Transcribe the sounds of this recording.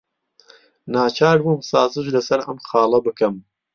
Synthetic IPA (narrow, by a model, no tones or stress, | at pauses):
naːt͡ʃʰaːɾbumsaːzɨʃlɐsɐɾɐmxɑːlˠɐbɨkɐm